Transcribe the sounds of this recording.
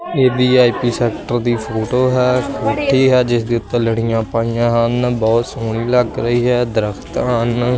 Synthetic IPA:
eːd̪iːaːipiːsɛːkʈəɾd̪iːpʰoːʈoːɦɛːkʰoːʈʰːiːɦɛːd͡ʒɪsd̪eːʊt̪ːələɽijãːpaːiːãːɦənbɔːt̪soːnĩːləɡɾəiːɦɛːd̪əɾəkt̪ɦən

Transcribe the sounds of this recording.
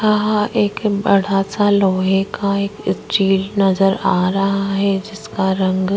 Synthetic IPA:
aɦeːkbɐɽ̤asaloːɦekʰaeːkɪsʈiːlnɐzəɾaːɾaɦaɦɛd͡ʒɪskaɾɐ̃ŋɡ

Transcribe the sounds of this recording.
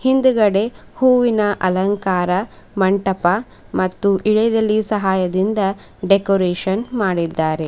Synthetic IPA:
hind̪uɡɐɽehuːʋinɐʔɐlɐŋkaːɾɐ | mɐɳʈɐpɐ | mɐt̪ːuʔiɭed̪ɐlːisɐɦaːjɐd̪ind̪ɐ | ɖekoɾeːʃɐnmaːɽid̪ːaːɾe̞

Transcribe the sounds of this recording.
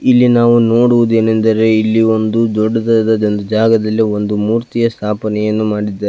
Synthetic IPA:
ilːinaːʋuno̞ːɽuʋud̪ue̞ːnend̪ɐɾe̞ilːio̞nd̪ud̪ɔɖːɐd̪ɐd̪ɐd͡ʒond̪ud͡ʒaːɡɐd̪ɐlːio̞nd̪umuːɾt̪ijɐst̪ʰaːpɐnɛjɐnːumaːɽid̪ːaːɾe

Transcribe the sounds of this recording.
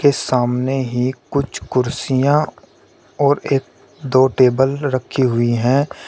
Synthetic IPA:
kesaːmneɦikʊt͡ʃʰkʊɾsijã | ɔːɾeːk̚ | d̪oːʈeːbəlɾəkʰːiɦʊiɦɛ̃ː

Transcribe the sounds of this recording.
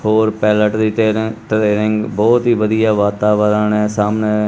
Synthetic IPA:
hoːɾpɛːləʈd̪iːʈɾeːɾɪ̃ŋɡbɔːt̪ɦiːʋəd̪ijaːʋaːt̪aːʋəɾəːɳɛ̃ːsaːmneː

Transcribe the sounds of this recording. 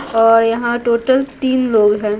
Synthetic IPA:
ɔːɾjɐɦãʈoːʈəlt̪iːnloːɡɦɛ̃ː

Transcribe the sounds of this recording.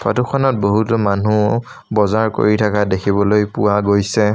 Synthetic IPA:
pʰa̰tukʰɔnɔt̚boɦutɔmanu | bɔzaɹko̰ɹitʰakadekʰibɔlojpuwaɡojsɛ

